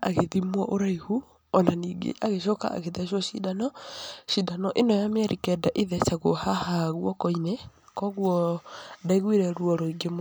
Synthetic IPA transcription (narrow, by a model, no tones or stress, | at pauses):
a̰ɣeðimwɔʔoɾaihu | ɔnaniːɡḛʔaɣeʃ̬ɔka̰ʔa̰ɣeðɛʃɔʃidanɔʃidanɔʔenɔjamjaɾikɛdaʔeðɛsaɣohahaɣwɔkɔinɛkɔɣwɔdaiɣwiɾɛɾwɔɾoiɡem